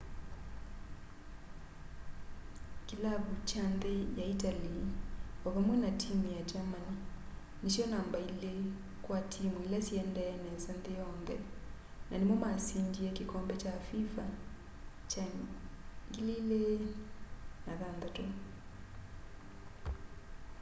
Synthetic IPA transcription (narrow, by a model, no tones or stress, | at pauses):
kelaβut͡ʃanðejaitaliɔβamwɛnatʰimujad͡ʒamani | neʃjɔnambaile | kwatʰimuilasjɛndɛnɛzanðejɔnðɛ̰ | nʔanemɔmasindiɛkekɔmbɛt͡ʃafifa | t͡ʃa | ŋɡilile | naðanðatɔ